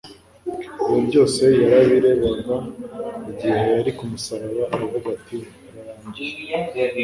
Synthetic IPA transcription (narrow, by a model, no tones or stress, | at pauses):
ijobɟo̞ːse̞jaɾaβiɾe̞βaɡaiɟihe̞jaɾikumusaβaβaʔːβavuɡati | aɾaɾaːɲɟie